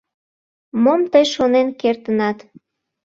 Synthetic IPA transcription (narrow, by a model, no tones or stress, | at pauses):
momt̪əjʃonenkert̪ənɑt̪